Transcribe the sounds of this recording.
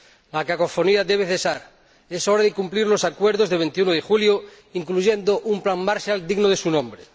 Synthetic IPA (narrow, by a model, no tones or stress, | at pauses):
lakakofoniaðeβeθesaɾ | esoɾaðekumpliɾlosakweɾð̞ozðeβent̪iunoðexuljo | iŋkluʝend̪oʔumplaŋmaɾʃjald̪iɣnoðesunõmbɾe